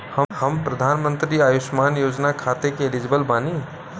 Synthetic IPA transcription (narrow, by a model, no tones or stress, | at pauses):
hɐhɐmpɾɐd̪ʱaːnmə̃nt̪ɾiaːjʊʃmaːnjoːd͡ʒnakʰaːt̪ekeelɪd͡ʒbəlbaːni